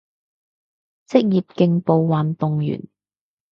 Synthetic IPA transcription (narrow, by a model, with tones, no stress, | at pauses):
t͡sɪ˥k̚jiː˨p̚kɪ˧ŋpo˨˧wwaː˨nt̪ʊ˨ŋjy̰ː˨˩n